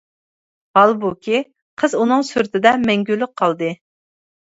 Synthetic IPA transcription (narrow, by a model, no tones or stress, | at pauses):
hɑlˠbukʲʰi | qʰəzunɨŋsyɾt̪ʰɪd̪ɛmɛŋɡʲylːɪk̚qʰːɑlˠd̪ɨ